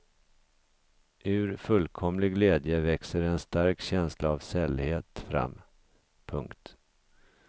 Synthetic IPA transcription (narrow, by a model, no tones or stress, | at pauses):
ʔɵ̟ɾfɵlːkʰɔmlɪɡleːd̪jəvɛksəɾɛnst̪aɾkɕɛnslʔaːvsɛlheːt̪fɾa̰mː | pʰɵŋkt̪